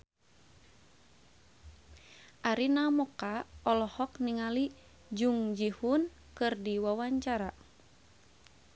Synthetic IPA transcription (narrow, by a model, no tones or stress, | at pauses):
ʔaɾinamɔkaɔlɔhɔkniŋali | d͡ʒuŋd͡ʒihun | kɨrdiwawaɲt͡ʃaɾa